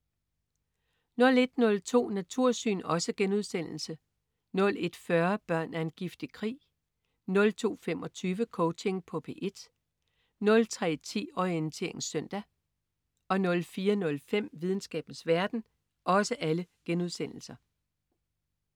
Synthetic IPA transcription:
nɔ̽le̝d̥nɔ̽lt͡sʰo̝̰ːnæt͡sʰuɐ̰sy̰ːnɒ̽səɡ̥enuðˠsen̰l̩sə | nɔ̽le̝d̥fɶɐb̥ɶɐ̰næɐe̝nɡ̥ifd̥ikʰʁḭː | nɔ̽lt͡sʰo̝̰ːfem̰ɒ̽t͡sʰyːʋəkʰɔʊt͡sʰe̝ŋpʰɒ̽pʰe̝ʔe̝d̥ | nɔ̽lt͡sʰʁɛ̰ːt͡sʰḭːɒ̽ɪent͡sʰe̝̰ɐ̰eŋsœn̰d̥æ | ɒ̽nɔ̽lfiːɐnɔ̽lfem̰ʋið̞ˠn̩sɡ̥ɛ̰ːb̥n̩sʋæɐd̥n̩ | ʔɒ̽səʔæləɡ̥enuðˠsen̰l̩sɐ

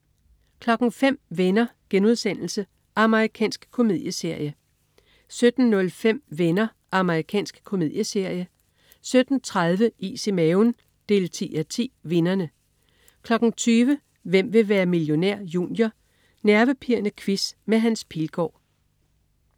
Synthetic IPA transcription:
kʰlɒ̽ɡ̥n̩fem̰ʋenɐɡ̥enuð̞ˠsen̰l̩sə | ʔɑ̈məʁikʰɛ̰ːnsɡ̥kʰo̝mið̞ˠjəse̝ɐ̰jə | sød̥n̩ːɔ̽lfem̰ʋenɐ | ʔɑ̈məʁikʰɛ̰ːnsɡ̥kʰo̝mið̞̰ˠjəse̝ɐ̰jə | sød̥n̩t͡sʰʁaðˠʋəʔise̝meon | d̥e̝̰ːlt͡sʰḭːæt͡sʰḭːʋe̝nɐnə | kʰlɒ̽ɡ̥n̩t͡sʰyːʋə | ʋem̰ʋe̝ʋæːɐmiljo̝næɐ̰jṵːnjɐ | næɐʋəpʰiɐnəkʰʋismeɦænspʰilɡ̥ɒ̰ː

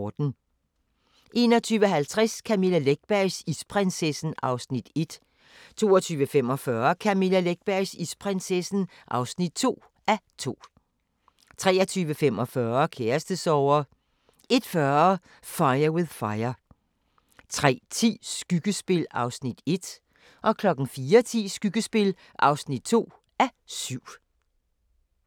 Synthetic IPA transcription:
d̥n̩ | ʔe̝ːnɒ̽t͡sʰyːʋəɦælt͡sʰʁaskʰæmilæleɡ̥̚b̥æɐsispʰʁɛnsesn̩ʔɑ̈ʊsnid̥e̝d̥ | t͡sʰo̝̰ːɐɒt͡sʰyːʋəfem̰ɒ̽fɶːɐkʰæmilæleɡ̥̚b̥æɐsispʰʁɛnsesn̩ | ʔɑ̈ʊsnid̥̚t͡sʰo̝̰ː | ʔæt͡sʰo̝̰ː | t͡sʰʁɛ̰ːɐt͡sʰyːʋəfem̰ɒfɶːɐkʰeɐsd̥əsɒʊɐ | ʔe̝d̥fɶɐ | fɑ̈ɪɐwe̝ðˠfɑ̈ɪɐ | t͡sʰʁɛ̰ːt͡sʰḭːsɡ̥yɡ̥əsb̥e̝lɑ̈ʊsnid̥e̝d̥ | ʔɒ̽kʰlɒ̽ɡ̥n̩fiːɐt͡sʰḭːsɡ̥yɡ̥əsb̥e̝l | ʔɑ̈ʊsnid̥̚t͡sʰo̝̰ː | æsyʊ̰

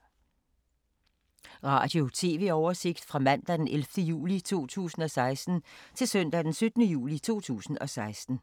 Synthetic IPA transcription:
ʁɑ̰̈ːd̥jo̝t͡sʰe̝̰ːʋe̝̰ːɒʊɐse̝ɡ̥̚d̥fʁɑ̈mæn̰d̥æd̥enʔelfd̥əjṵːlit͡sʰo̝̰ːt͡sʰṵːsn̩ɒ̽sɑ̈ɪsd̥n̩t͡sʰe̝lsøn̰d̥æd̥ensød̥ənəjṵːlit͡sʰo̝̰ːt͡sʰṵːsn̩ɒ̽sɑ̈ɪsd̥n̩

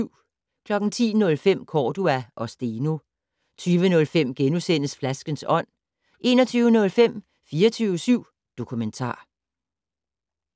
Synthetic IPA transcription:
ʊ̰ | kʰlɒ̽ɡ̥n̩t͡sʰḭːnɔ̽lfem̰kʰɒːd̥uæʔɒ̽sd̥eno̝ | t͡sʰyːʋənɔ̽lfem̰ɡ̥enusen̰əsflæsɡ̥ənsɒ̽n̰ | ʔe̝̰ːnɒ̽t͡sʰyːʊənɔ̽lfem̰ | fiːɐt͡sʰyːʊəsyʊ̰ | d̥o̝kʰument͡sʰɑ̰̈ː

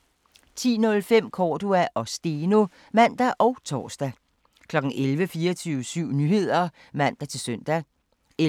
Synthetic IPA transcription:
t͡sʰḭːnɔ̽lfem̰kʰɒːd̥uæʔɒ̽sd̥e̝no̝ | mæn̰d̥æʔɒ̽ʊt͡sʰɒ̰ːsd̥æ | kʰlɒ̽ɡ̥n̩ʔelʋəfiːɐɒt͡sʰyːʊəsyʊ̰nyːhe̝ð̞̰ˠɐ | mæn̰d̥æt͡sʰe̝lsœn̰d̥æ

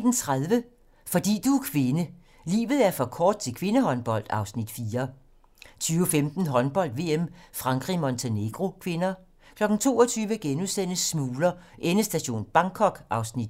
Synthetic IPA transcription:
d̥n̩t͡sʰʁaðˠʋə | fɒ̽d̥ḭːd̥ukʰʋe̝nə | lḭːʋð̩ˠæɐfɒ̽kʰɒːd̥̚t͡sʰe̝lkʰʋe̝nəhɒ̽nb̥ɒ̽l̰d̥ɑ̈ʊsnid̥fiːɐ | t͡sʰyːʊfemd̥n̩ɦɒ̽nb̥ɒ̽l̰d̥ʋe̝ːemfʁɑ̈ŋɡ̥ʁimont͡sʰene̝ɡ̥ʁo̝kʰʋe̝nɐ | kʰlɒ̽ɡ̥n̩t͡sʰo̝̰ːɒt͡sʰyːʋəɡ̥enusen̰əsmuːlɐʔenəsd̥æɕo̝̰ːnb̥ɑ̈ŋkʰɒ̽ɡ̥ʔɑ̈ʊsnid̥

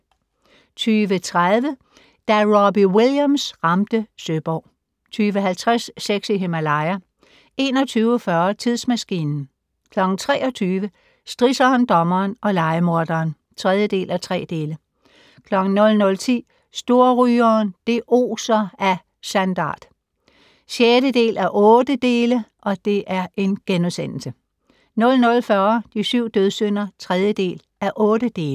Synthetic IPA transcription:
t͡sʰyːʋət͡sʰʁaðˠʋə | d̥æʁɒbiwiljæmsʁɑmd̥əsøb̥ɒ̰ʊ̰ | t͡sʰyːʋəɦælt͡sʰʁɛsːeɡ̥siɦemælɑ̈ɪɐ | e̝ːnɒ̽t͡sʰyːʊəfɶɐt͡sʰið̰ˠsmæsɡ̥ḭːnn̩ | kʰlɒ̽ɡ̥n̩t͡sʰʁɛ̰ːɒ̽t͡sʰyːʋə | sd̥ʁisɐːnd̥ɒ̽mɐːnɒ̽lɑ̈ɪəmo̝ɐd̥ɐːn | t͡sʰʁɛð̞ˠjəd̥e̝̰ːlʔæt͡sʰʁɛ̰ːd̥e̝ːlə | kʰlɒ̽ɡ̥n̩nɔ̽lnɔ̽lt͡sʰḭː | sd̥o̝ɐʁyːɐːnd̥e̝ʔo̝̰ːsɐæ | sænd̥ɑ̰̈ːd̥ | ɕjeːɾəd̥e̝̰ːlæɐʔɔ̽ːd̥əd̥e̝ːləʔɒ̽d̥e̝ʔæɐʔe̝nɡ̥enuðˠsen̰l̩sə | nɔ̽lnɔ̽lfɶːɐd̥isyʊ̰d̥øð̞ˠsøn̰ɐt͡sʰʁɛð̞ˠjəd̥e̝̰ːl | æɐʔɔ̽ːd̥əd̥e̝ːl

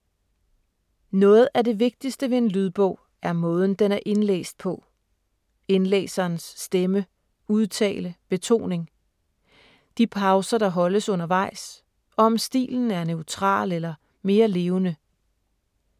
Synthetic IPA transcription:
nɔ̽ːð̞̩ˠæd̥e̝ʋe̝ɡ̥̚d̥isd̥əʋe̝e̝nlyðˠb̥ɔ̰ʊ̰ | æɐmɔ̽ːð̞ˠn̩d̥enæɐʔe̝nlḛːsd̥̚pʰɒ̽ | e̝nlḛːsɐːnsːd̥emə | uðˠt͡sʰɛ̰ːləb̥e̝t͡sʰo̝̰ːne̝ŋ | d̥ipʰɑ̈ʊsɐd̥ɑ̈ɦɒ̽ləsɔ̽nɐʋɑ̈ɪ̰s | ɒ̽ɒ̽msd̥ḭːln̩æɐnøʊt͡sʰʁɑ̰̈ːlelɐ | me̝ːɐle̝ːʊnə

